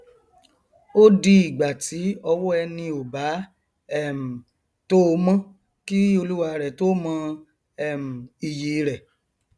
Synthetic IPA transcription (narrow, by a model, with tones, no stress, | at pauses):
o˦di˦i˨ɡ͡ba˨tʰi˨˦ɔ˧wɔ˦ɛ˧nĩ˧o˨ba˨˦ | ɛ˦˨m̩˨ | to˦o˧˦mã˦ | ki˦o˧lu˦wa˧ɾɛ˨to˦mã˧ | ɛ˨m̩˨i˨je˨˧ɾɛ˨